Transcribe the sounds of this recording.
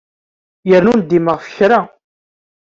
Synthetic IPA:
jəɾnund̪iməʁfə̥çɾa

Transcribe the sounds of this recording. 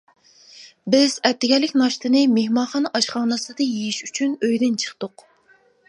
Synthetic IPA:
bɪz̥ɛp̚t̪ːɪɡʲɛlːɪkʲnɑʃt̪ɨnɨmehmɑnχɑnɑʃχɑːnɨsɨd̪ɨjejiʃyt͡ʃʰynøjd̪ɪnt͡ʃʰə̥χt̪ʊq

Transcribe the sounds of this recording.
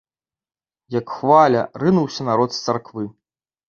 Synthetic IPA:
jɐkxvalʲɐ̰rɨnuwsʲɐnaɾɔt̪st̪sarkvɨ

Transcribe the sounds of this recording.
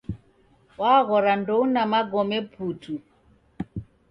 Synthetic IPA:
waɣɔɾandɔunamaɡɔmɛpʰutʰu

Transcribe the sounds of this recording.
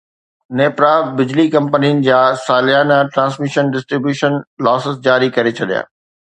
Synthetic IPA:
neːpɾaːbɪd͡ʑlikɐ̃mpəniʊnɪ̆d͡ʑaːsaːlɪjaːnaʈɾãːsmiʃənɖɪsʈɾibjuːʃənlɔːsɪsd͡ʑaːɾikɐɾet͡ɕʰɐɗija̰ː

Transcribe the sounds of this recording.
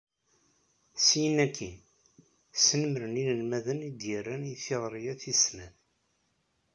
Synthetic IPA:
sijənækʰːi | sənəmɾəninəlmæðənid̪jərːænjθɪʁɾˤijæθisnæθ

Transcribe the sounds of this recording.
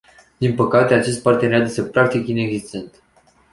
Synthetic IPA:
d̪inpəkat̪e̞at͡ʃe̞st̪̚part̪eejad̪esepɾak̚t̪ikine̞ɡzist̪e̞nt̪

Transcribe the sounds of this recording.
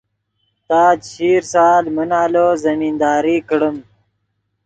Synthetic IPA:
t̪aːd͡ʑɕiːɾsaːlmɐnaːloːzɐmiːnd̪aːɾiːkɽəm

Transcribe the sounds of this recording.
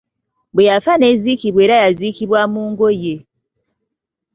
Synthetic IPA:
bwe̞jafane̞ːziːkiβwe̞ːɾajaziːkiβwamuːŋɡoje

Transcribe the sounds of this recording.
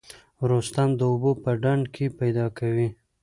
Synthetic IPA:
ɾost̪amd̪əʊbopəɖaɳɖkʰepajd̪ɑkawi

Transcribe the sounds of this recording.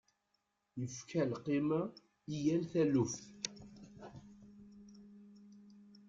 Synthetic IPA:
jəfkʰælqːima | ijælθælufθ

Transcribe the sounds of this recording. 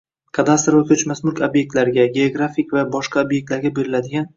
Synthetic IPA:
kʰad̪ast̪ɾvakʲʰɵt͡ʃmasmʊɾkʲobje̞k̚t̪laɾɪɡʲaɡʲeoɡɾafikʲvabɒʃqɑobjek̚t̪laɾɡʲabe̞ɾɪlad̪ɪɡʲan

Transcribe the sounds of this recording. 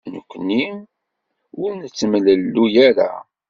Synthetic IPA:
nə̰kʷːnːim | wʊɾnət͡sːəmləlːujæɾa̰

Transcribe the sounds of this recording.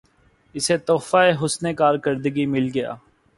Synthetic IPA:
ɪset̪oːfaeɦʊsnekaːɾkəɾd̪əɡimɪlɡɐja̰ː

